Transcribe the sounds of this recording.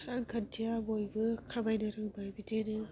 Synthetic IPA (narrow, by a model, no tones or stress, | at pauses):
ɾaŋɡʰantʰijabojbɯkʰabajnɯɾɯŋbajbidenɯ